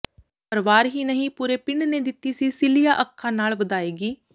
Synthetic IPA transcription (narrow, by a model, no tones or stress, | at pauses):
pəɾʋaːɾɦiːnəɦĩːpuːɾeːpɪɳɖneːd̪ɪt̪ːiːsiːsɪlijaːʔəkʰːãːnaːlʋəd̪aːeːɡiː